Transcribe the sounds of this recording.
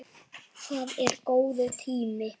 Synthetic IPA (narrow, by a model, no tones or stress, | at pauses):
θaːðɛɾkoːwðʏθʰiːmɪ